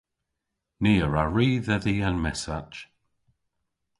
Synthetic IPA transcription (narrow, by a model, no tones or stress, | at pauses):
niːəɹaɹiːðəðiːənmɛsat͡ʃ